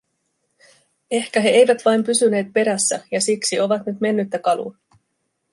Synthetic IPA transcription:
e̞hkæɦe̞e̞jʋæt̪ʋɑjmpysyne̞ːt̪̚pe̞ɾæsːæjɑsiksio̞ʋɑt̪nyt̪me̞nːyt̪ːækɑlṵ

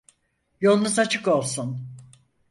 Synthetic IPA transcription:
jo̞lˠnuzat͡ʃʰɯko̞lˠsun

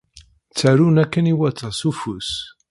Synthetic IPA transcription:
t͡sːæɾunækːəniwæt̪ˤːɑsufus

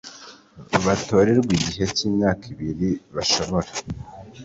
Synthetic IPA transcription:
βato̞ːɾeɾbwiɟiɦe̞ciːmɲaːkʰiβiɾiβaʃo̞βo̞ɾa

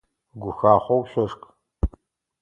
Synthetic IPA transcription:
ɡʷʊxaːχʷɔwʃɐʂkʼ

